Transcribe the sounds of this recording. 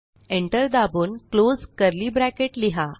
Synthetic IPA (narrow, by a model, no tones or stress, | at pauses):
eɳʈəɾd̪abuːnklod͡zkəɾliːbɾækeʈliɦa